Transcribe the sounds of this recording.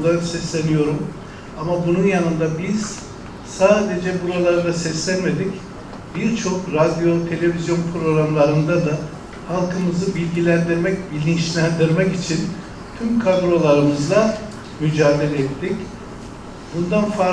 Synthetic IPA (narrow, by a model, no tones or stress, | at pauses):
d̪ˠasɛslʲenijo̞ɾum | amabununjanɯnd̪abiz̥ | saːd̪e̞d͡ʒɛbuɾalˠaɾɯd̪asɛslʲænme̞d̪ic | biɾt͡ʃʰo̞kɾad̪jo̞t̪ʰe̞lʲe̞vizjo̞npʰɾo̞ɾamlˠaɾɯnd̪ad̪a | halˠkʰɯmɯzɯbilʲɟilʲænd̪iɾmɛcbilʲinʃlʲænd̪iɾmɛcit͡ʃʰin | t̪ʰymkʰad̪ɾo̞lˠaɾɯmɯzlˠa | myd͡ʒaːd̪e̞lʲɛɛt̪ːic | bund̪anfa